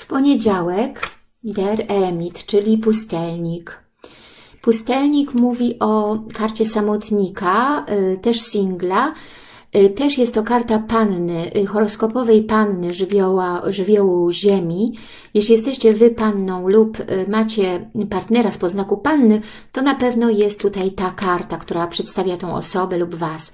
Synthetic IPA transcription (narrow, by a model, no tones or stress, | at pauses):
fpɔɲed͡ʑawɛk | d̪ɛɾɛɾmʲit̪t͡ʂɘlʲipust̪ɛlɲik | pust̪ɛlɲikmuvʲiʔɔkaɾt͡ɕɛsamɔt̪ɲikat̪ɛʂsʲiŋɡla | t̪ɛʂjɛst̪ːɔkaɾt̪apannɘxɔɾɔskɔpɔvɛjpanːɘʐvʲɔwaʐɘvʲjɔwuʑemʲi | jɛʃlʲijɛst̪ɛɕt͡ɕɛvɘpanːɔ̃w̃lupmat͡ɕɛpaɾt̪nɛɾaspɔznakupanːɘ | t̪ɔnapɛvnɔjɛst̪ːut̪ajt̪akaɾt̪akt̪uɾapʂɛt̪st̪avʲjat̪ɛ̃w̃ʔɔ̰sɔbɛlubvas